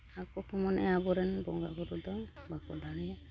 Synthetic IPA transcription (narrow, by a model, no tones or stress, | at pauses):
akɔkʰɔmɔnɛabɔɾɛnbɔŋɡa̰ɡɔɾud̪ɔŋbakɔdaɽɛ